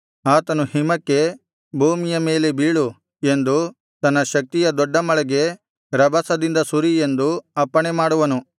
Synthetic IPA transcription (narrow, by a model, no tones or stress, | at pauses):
aːt̪ɐnuhimɐkːe̞ | bʱuːmijɐme̞ːle̞biːɭu | e̞nd̪u | t̪ɐnːɐʃɐk̚t̪ijɐd̪ɔɖːɐmɐɭɛɡe̞ | ɾɐbɐsɐd̪ind̪ɐsuɾie̞nd̪uɐpːɐɳemaːɽuʋɐnu